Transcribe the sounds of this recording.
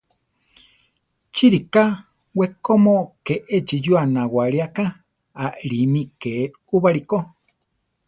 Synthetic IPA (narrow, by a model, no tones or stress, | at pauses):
t͡ʃiɾika | wekomõkeʔed͡ʒijuanãwaɾiakã | aʔɾinĩke | uβaɾiko